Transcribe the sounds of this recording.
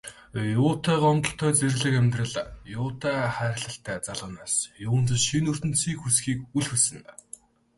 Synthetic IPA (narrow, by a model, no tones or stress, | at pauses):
jʊːt̪ʰæːʁɔnt̪ɞ̆ɬt̪ʰœːt͡serɮɘ̆kæmʲt̪rə̆ɮajʊːt̪ʰæːχæːɾʲɪ̆ɮə̆ɬt̪ʰæːt͡saɮʊ̆ːnaːsjʊːə̆n̥t̪̆ʃinɵr̥t̪ɘ̆nsiːkxusxiːkuɮxusɘ̆n